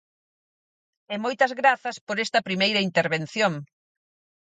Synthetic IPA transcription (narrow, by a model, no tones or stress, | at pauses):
ɛmojt̪ɐzɣɾaθɐspoɾɛst̪ɐpɾimejɾɐint̪eɾβen̟θjoŋ